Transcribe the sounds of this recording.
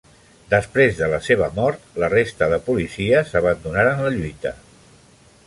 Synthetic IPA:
d̪əspɾezðələseβ̞əmɔɾt̪lərest̪əðəpulisiəsəβ̞ənd̪unaɾaːnləʎujt̪ə

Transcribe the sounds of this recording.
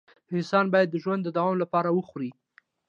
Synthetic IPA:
ɪnsɑnbɑjad̪ːəʒwand̪ːəd̪awɑmlapɑɾawəxɾi

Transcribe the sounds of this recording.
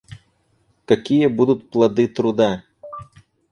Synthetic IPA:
kɐkʲijɛbud̪ʊt̪̚ʲplˠɐd̪ɨt̪ɾud̪a

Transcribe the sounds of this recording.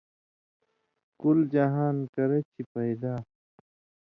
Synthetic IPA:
kuld͡ʑaɦaːnkɐɾet͡ɕʰipɐjd̪aː

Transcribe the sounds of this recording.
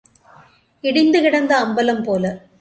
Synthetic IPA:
iɽind̪ɨkiɽɐnd̪ɐːmbɐlɐmpo̞ːlɨ

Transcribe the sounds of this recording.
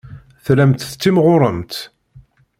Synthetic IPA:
θlæmt̪θə̥t͡sːimʁʊɾˤəmt̪

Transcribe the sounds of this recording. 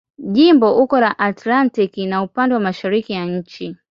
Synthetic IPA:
ʄimbɔʔukɔɾaʔatlantikinaupandɛwamaʃaɾikijaɲ̩t͡ʃi

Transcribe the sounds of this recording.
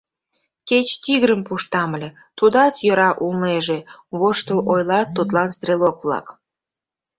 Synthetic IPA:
ket͡ɕt̪iɣɾəmpuʃt̪ɑməlʲe | t̪ud̪ɑt̪jøɾɑʔulneʒeβoʃt̪əlʔojlɑt̪ːot̪lɑnst̪relok̚βlɑ̰k

